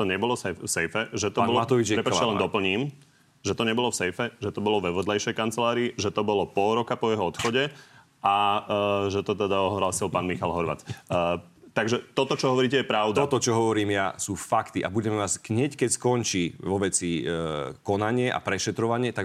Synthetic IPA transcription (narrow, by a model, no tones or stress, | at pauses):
t̪ɔɲɛbɔlɔsɛfsɛjfɛʒɛt̪ɔaːnbɔat̪ɔʋit͡ʃɾɛpaalɛnd̪ɔpl̩ɲiːm | ʒɛt̪ɔɲɛbɔlɔfsɛjfɛʒɛt̪ɔbɔlɔʋɛʋɔd̪lɛjʃɛjkant͡sɛlaːɾiːʒɛt̪ɔbɔlɔpɔlɾɔkapɔjɛɦɔɔt̪xɔɟɛ | ʔa | ʒɛt̪ɔt̪ɛd̪aɔɦlaːsilˠpaːnmixalɦɔɾʋa̰ːt͡sː | t̪aɡʒɛt̪ɔt̪ɔt͡ʃɔɦɔʋɔɾiːcɛjɛpɾaʊd̪ɔt̪ɔt͡ʃɔɦɔʋɔɾiːmjasuːfakt̪iʔa̰buɟɛmɛʋasɡɲɛckɛcskɔnt͡ʃiʋɔʋɛt͡si | kɔnaɲɪɛʔa̰pɾɛʃɛt̪ɾɔʋaɲɪɛt̪aɡ